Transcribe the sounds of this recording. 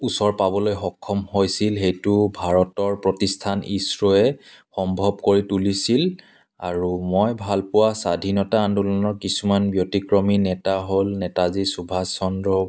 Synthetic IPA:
usɔɹpabɔlojxɔkʰːɔmhojsilxejtʊbʱaɹɔtɔɹpɹɔtistʰanisɹɔɛ | xɔmbʱɔb̚koɹitulisil | aɹumojbʱalpʊwasadʱinɔtaːndulɔnɔɹkisumanbjotikɹɔminɛtaɦolnɛtazisubʱasɔndɹɔ

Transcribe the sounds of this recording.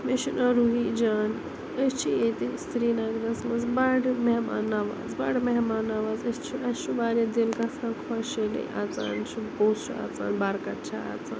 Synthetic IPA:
meʃinɐ̃ɾuɦiːd͡ʒaːn | əst͡ʃʰiet̪ist̪ɾiːnaɡɾɐsmɐnzbaɽmeɦma̰ːnaːʋa̰ːzbaɽmɐɦmaːnaːʋaːzɐst͡ʃʰiɐubaːɾed̪ilkasʰãːkʰɔʃelḛʔaːt͡sa̰ːnt͡ʃʰiboɦut̪sua̰ːt͡sa̰ːnbaɾkɐʈt͡ʃʰaa̰ːt͡sa̰ːn

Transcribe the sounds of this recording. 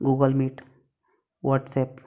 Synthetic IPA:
ɡuːɡəlmiʈ | ʋəɾʈseːp

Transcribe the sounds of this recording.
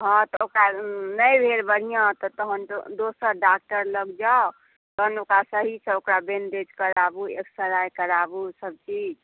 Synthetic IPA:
ɦɔ̃t̪ɔokɾanəjbʱeɾbəɽ̤ijãt̪ɔt̪ɔɦənd̪osəɾɖak̚ʈəɾləɡd͡ʒao | t̪ɔɦənokɾasəɦisʰə̃okɾabend̪et͡ʃkəɾabuḛksəɾajkəɾabusəb̚t͡ʃid͡ʒ

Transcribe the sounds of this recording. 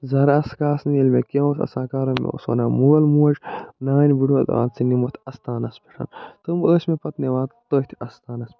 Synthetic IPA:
zɐɾɐskaːsniilmekeosɐ̰saːkaːɾomḛo̰swɐ̰naːmuɣɐlmuɐd͡ʒnaːnʲbiɖuɐd̪̰a̰ːnt͡sinimot̪ʰʲɐst̪aːnɐspiʈʰɐ̰nt̪ɨməːsmepɐt̪newaːt̪t̪oht̪ʰɐst̪aːnɐs

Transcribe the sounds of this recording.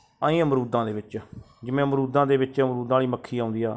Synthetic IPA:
aːĩːəmɾuːd̪ãːd̪eːʋɪt͡ʃ | d͡ʒɪmẽːəmɾuːd̪ãːd̪eːʋɪt͡ʃəmɾuːd̪ãːliːməkʰːiːãːʊ̃nd̪iːaː

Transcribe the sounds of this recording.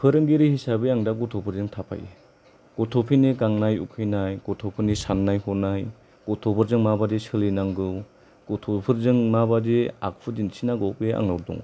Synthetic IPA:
pʰɯɾɯŋɡiɾihisabeaŋdaɡɔtʰɔpʰɯɾzɯŋtʰapʰa̰jḛ | ɡ̥ɔtʰɔpʰiniɡaŋnajṵkʰɯjnajɡɔtʰɔpʰɯnisanːajhɔnaj | ɡ̥ɔtʰɔpʰɯɾzɯŋmabadesɯlinaŋɡɯw | ɡ̥ɔtʰɔpʰɯɾzɯŋmabadea̰k̚pʰɯdinsinaɡɔpea̰ŋnawɾdɔ̰ŋ

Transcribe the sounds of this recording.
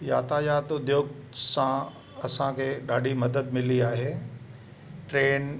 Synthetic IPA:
ja̰ːt̪aːjaːt̪ʊd̪joːɡ̚sã | ɐsãkʰeːɗaːɖʱimɐd̪əd̪mɪliaːɦeː | ʈɾeːn

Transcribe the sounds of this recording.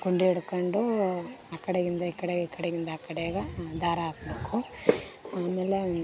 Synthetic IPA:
ɡuɳɖeɽukɐɳɖuɐkːɐɽeɡind̪ɐikːɐɽeɡɐikːɐɽeɡind̪ɐːkːɐɽeɡɐd̪aːɾɐaːkɐbekːu | aːmeːle

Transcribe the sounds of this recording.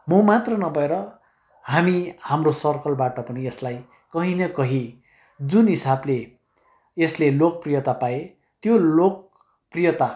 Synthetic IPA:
mʌmat̪rʌnʌbʱʌeɾʌ | ɦamihamrosʌrkʌlbaʈʌpʌnieslaj | kʌɦinʌkʌɦi | d͡zunɦisable | eslelok̚prijʌt̪apae | t̪jolok̚ | prijʌt̪a

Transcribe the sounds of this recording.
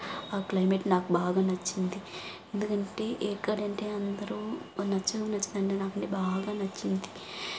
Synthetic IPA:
aːklɐjmeʈnaːkubaːɡaːnɐt͡ʃːind̪i | e̞nd̪ukɐɳʈe̞ːʔeːkːaːɽɐɳʈeːɐnd̪ɐɾu | nɐt͡ʃːɐnɐt͡ʃːind̪ɐɳʈeːnaːkɐɳʈebaːɡaːnɐt͡ʃːind̪i

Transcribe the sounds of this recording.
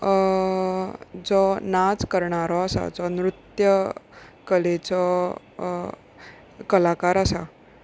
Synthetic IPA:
d͡zɔnad͡zkəɾɳaɾɔasa̰d͡zɔnɾut̪jəkəlet͡sɔ | kəlakaɾasa

